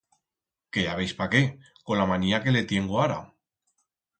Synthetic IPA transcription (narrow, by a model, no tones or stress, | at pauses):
keaβe̞jspake̞ | ko̞nlamaniake̞le̞t̪je̞ŋɡoaɾa̰